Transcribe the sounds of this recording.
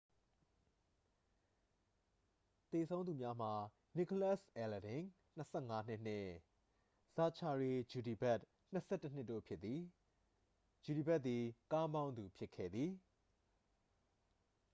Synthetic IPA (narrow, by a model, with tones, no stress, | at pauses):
t̪e˨sʰõ˦u˨mja˦m̥a˨ | ni˦˨ko˨la˦˨sʔɛ˨lə˨dɪ̃˨ŋ | n̥əsʰɛ˦˨ŋa˦n̥ɪ˦ʔn̥ɪ̃˦˨ | z̥a˨t͡ɕʰa˨ɹe˨d͡ʑu˨di˨ba˦ʔ | n̥ə˦sʰɛ˦˨tːə˦n̥ɪ˦tːo̰˦˨pʰjɪ˦t̪t̪ːi˨ | d͡ʑu˨ɾi˨ba˦t̪t̪ːi˨ka˦mã˦ʊ̃nd̪u˨pʰjɪ˦kʰːɛ̰˦˨d̪ði˨